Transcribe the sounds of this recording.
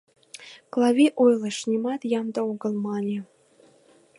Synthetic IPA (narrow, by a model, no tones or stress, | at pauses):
klˠɑβʲiʔojlˠɤʃnʲimɑt̪jɑmd̪ɤ̆oɣə̆lˠmɑnʲe